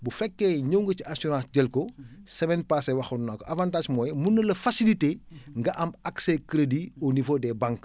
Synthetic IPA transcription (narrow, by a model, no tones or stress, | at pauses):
bufɛkːɛɲəwŋɡɐciɐsuɾãːsɟɐlkɔsɐmɛnpaːsɛwɐxutnakːɔʔɐvãːntaːʃmɔːjmunːɐlɐfɐsiliteŋɡɐʔɐmɐksɛkɾediɔnivodɛːbaŋk